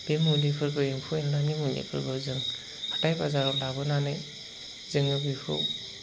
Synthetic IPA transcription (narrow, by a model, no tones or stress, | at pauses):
b̥emulikʰɯɾɡɯimpʰuenlanimulḭkʰɯɾɡɯzɯŋ | hatajbazaɾɔdabɯnanɯj | zɯŋɯbikʰɯ̰